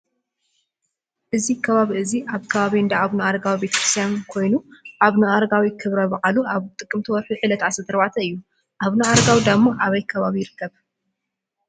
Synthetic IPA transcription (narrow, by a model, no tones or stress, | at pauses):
ʔɨzikʰɐβaβiʔɨziʔaβkʰɐβaβiɨnd̪aʔaβnɨaɾɡawibe̞t̪ʰɐ̥kʰɾɨ̥st̪ʰjankʰo̞jnuʔaβnɨaɾɡawikʰɨβɾɐbɐʔʼaluaβt̪ʼɨkʼːɨmt̪ʰiwɔɾħuʕɨlɐt̪asɐt̪ʰɐɾβat̪ʰɐɨjːu | ʔaβnɨʔaɾɡawid̪amːoʔaβɐjkʰɐβaβijɪɾɨkːɐβ